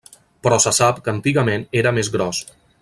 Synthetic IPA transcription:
pɾɔsəsapkənt̪iɣəmeneɾəmezɣɾɔs

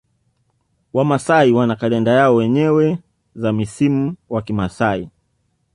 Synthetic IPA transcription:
wamasaiwanakalɛndajaɔwɛɲɛwɛ | zamisimuwakimasai

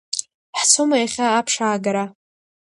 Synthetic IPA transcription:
ħt͡sʰomajaχʲaːpʰʂaːɡaɾa

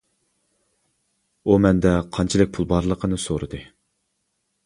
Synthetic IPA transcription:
umɛnd̪ɛqʰɑnt͡ʃʰilˠɪk̚ʲpʰulˠbɑɾlˠəqʰənɨsoɾɨd̪ɨ

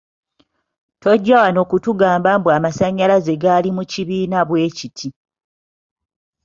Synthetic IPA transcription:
to̞ɟːawano̞ːkutuɡaːmbaːmbwamasaɲːalaze̞ɡalimuciβiːnaβwe̞ːcitʰi

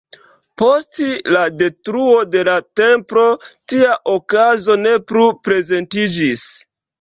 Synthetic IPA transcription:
po̞stlade̞tɾuo̞de̞late̞mpɾo̞tiaʔokazo̞ne̞plupɾe̞ze̞ntid͡ʒis

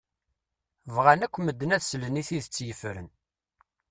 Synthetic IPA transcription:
vʁanækʷːməd̪ːənæðsləniθiðət͡sːjəfɾə̰n

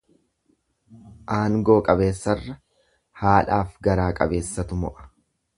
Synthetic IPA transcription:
ʔaːŋɡoːkʼɐbe̞ːsːɐrːɐ | haːlaːfɡɐɾaːkʼɐ̰be̞ːsːɐt̪ʊmɔ̰ʔɐ̥

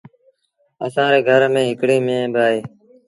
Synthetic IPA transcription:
əsãːɾeːɡʱəɾmẽːɦɪkɽeːmẽːbɪaːɦeː

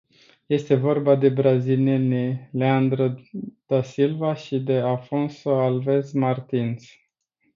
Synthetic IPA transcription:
je̞st̪e̞vo̞rbad̪e̞bɾazilienileand̪ɾəd̪̥asilvaʃid̪e̞afo̞nso̞alve̞zmart̪ins

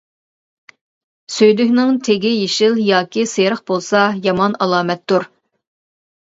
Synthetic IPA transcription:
søjlykʲnɪŋt̪ʰeɡʲɪjeʃɪlˠjɑːkʲiseɾəχbolˠsɑjɑmɑnɑlˠɑːmɛt̪ːuɾ

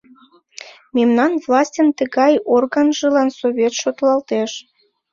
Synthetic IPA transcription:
memnɑnvlɑsʲtʲənt̪əɣɑjorɣənʒəlɑnsoβʲet̪ʃot̪lɑlt̪eʃ

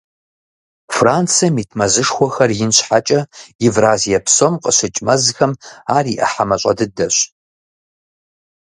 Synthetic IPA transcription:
fraːnt͡sʰɐmitʰmɐzɨʂxʷɔxɐrjɪnɕħat͡ʃʼɐivraːzijɐpʰsomqʼəɕɪt͡ʃʼmɐzxɐmaːriʔɐ̰ħamɐɕʷʼɐ̰dɨdɐɕ

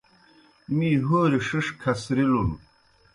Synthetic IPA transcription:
miːɦoːɾiʂiʂkʰɐsɾilun

